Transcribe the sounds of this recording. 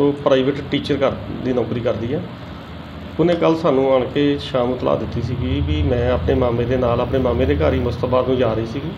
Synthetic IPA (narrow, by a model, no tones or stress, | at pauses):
oːpɾaːɪːʋəʈʈiːt͡ʃəɾkəɾd̪iːnɔːkɾiːkəɾd̪iːɦɛː | ʊnẽːkəlːsaːnũːaːɳkeːʃaːmʊt̪la̰ːd̪ɪt̪ːiːsiːɡiːʋiːmɛ̃ːaːpneːmaːmẽːd̪eːnaːlaːpɳeːmaːmẽːd̪eːkaːɾiːmʊst̪əbaːd̪nũːd͡ʒaːɾəiːsiːɡiː